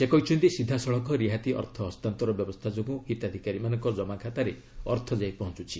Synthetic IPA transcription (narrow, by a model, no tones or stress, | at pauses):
sekɔɦit͡ʃʰunt̪isid̪ʱːasɔɭɔkɔɾiɦat̪iʔɔ̰ɾt̪ʰɔɦɔst̪ant̪ɔɾɔbjɔbɔst̪ʰad͡ʒoɡũhit̪ad̪ʱikaɾimanɔŋkɔd͡ʒɔmakʰat̪aɾe | ɔɾt̪ʰɔd͡ʒajpɔɦɔnt͡ʃut͡ʃʰi